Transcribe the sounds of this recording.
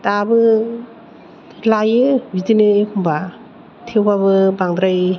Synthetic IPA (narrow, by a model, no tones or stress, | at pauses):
tabɯ | lajɯbidinɯekʰumba | tʰewbabɯbaŋd̪ɾaj